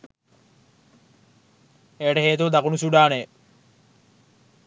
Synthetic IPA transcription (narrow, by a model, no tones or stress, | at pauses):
eːʈəɦeːt̪uʋɐd̪akunusuɖaːne